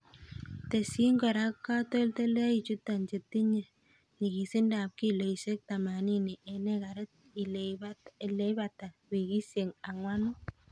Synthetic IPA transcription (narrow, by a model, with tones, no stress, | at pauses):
te˨si˦ŋɡɔ˨ɾa˦kːa˦to˦lte˦la˦i˨t͡ʃu˦tːa˨nt͡ʃe˨tːi˦ɲe˨ | ni˨ki˨sɪ˦nda˨p̚ki˦le˨i˨se˦k̚ta˨ma˨ni˦ni˨ʔɛ˨ne˦ka˨ɾɛ˦t̪̚ | i˨ | le˦ba˨ta˨wi˨ki˦sje˨ŋa˨ŋwa˦nʊ˦